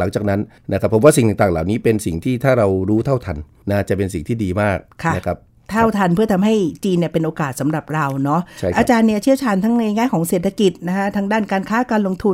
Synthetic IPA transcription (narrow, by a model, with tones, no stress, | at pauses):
la˩˦ŋt͡ɕaː˨˩k̚na˦˥n | nʔa˦˥kʰa˦pʰːwaː˥˩i˨˩ŋt̪a˨˩ŋt̪aː˨˩ŋlaː˨˩wniː˦˥pe˧nsi˨˩ŋt̪ʰiː˥˩t̪ʰaː˥˩ɾa˧wɾuː˦˥t̪ʰa˥˩wt̪ʰa˧nːaː˦˥˩t͡ɕa˨˩pe˧nsi˨˩ŋt̪ʰiː˥˩diː˧maː˥˩k̚kʰa˧˦˥kʰa˦˥p̚ | t̪ʰa˥˧˥wt̪ʰa˧npʰɯ˥˩t̪ʰa˧mɦa˥˩jt͡ɕiː˧nːi˥˩ɐpe˧nʔoː˧kaː˨˩t̪̚sa˩˦mɾa˨˩p̚ɾa˧wnɔ˦˥ʔt͡ɕʰa˥˩ʔaː˧t͡ɕaː˧nːi˥˩t͡ɕʰi˥˩əwt͡ɕʰaː˧˩nt̪ʰa˦˥ŋna˧jŋaː˥˩jkʰɔː˩˦ŋseː˨˩t̪ʰa˧ki˨˩t̪̚na˦˥kʰa˦˥t̪ʰaː˦˧˥ŋdaː˥˩nkaː˧nkʰaː˦˥kaː˧nlo˧ŋt̪ʰu˧n